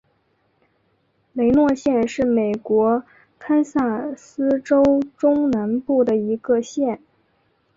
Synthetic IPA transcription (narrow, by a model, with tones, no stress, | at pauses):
le˧˥ɪnwɔ˥˧ɕjɛ˥˧nʂɻ̩˥˩me˨˩ɪkwɔ˧˥ | kʰa˥nsa˥˩nsɹ̩˥ʈ͡ʂo˥ʊʈ͡ʂʊ˥ŋna˧˥npu˥˩d̪ə˩i˧˥ɡə˧ɕjɛ˥˩n